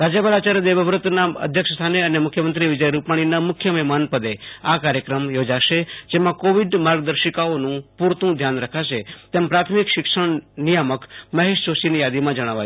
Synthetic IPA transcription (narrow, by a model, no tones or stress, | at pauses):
ɾad͡ʒəbalat͡ʃaɾd̪eʋəʋɾʊt̪naə̰d̪ʱjəkʃəst̪ʰaneənemʊkʰjəmənt̪ɾiʋɪd͡ʒəjɾupaɽ̃inamʊkʰjəməɦmanpəd̪eakaɾjəkɾəmjod͡ʒaʃed͡ʒemãkoʋiɖmaɾɡd̪əɾʃəkaonũpuɾt̪ũd̪ʱjanɾəkʰaʃet̪empɾat̪ʰmɪkʃɪkʃəɳ̃nijaməkməɦeʃt͡ʃoʃinijad̪imãd͡ʒəɽ̃aʋa